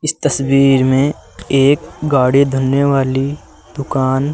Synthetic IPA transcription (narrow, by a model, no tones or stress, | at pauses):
ɪst̪ɐsbiːɾmẽeːkɡaːɽid̪ʱʊnːeʋaːli | d̪̥ʊkaːn